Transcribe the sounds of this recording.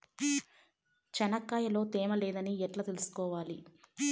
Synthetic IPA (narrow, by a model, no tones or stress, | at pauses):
t͡ʃɛnɐkːaːjɐlo̞ːt̪eːmɐlɛːd̪ɐniɛʈlɐt̪elusu̥kɔːʋaːli